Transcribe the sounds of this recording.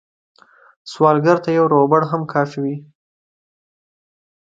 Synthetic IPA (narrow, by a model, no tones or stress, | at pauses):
swɑlɡaɾt̪ajawɾobaɽɦamkʰɑʃawi